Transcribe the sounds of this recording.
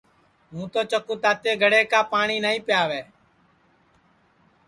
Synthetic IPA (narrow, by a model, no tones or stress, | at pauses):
mũːt̪oːt͡ʃəkuːt̪aːt̪eːɡʱəɽeːkaːpaːɳiːnəĩːpɪjaːʋeː